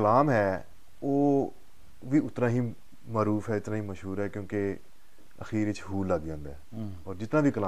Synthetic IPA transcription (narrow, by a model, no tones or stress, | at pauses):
əlaːmɦɛː | oː | ʋiːʊt̪nãːɦiː | maːɾuːfɦɛːɪt̪nãːɦiːməʃɦuːɾɦɛːkjõːke | ə̰xiːɾɪt͡ʃɦuːləɡd͡ʒãːnd̪ɦɛː | ɔːɾd͡ʒɪt̪naːʋiːkəlaː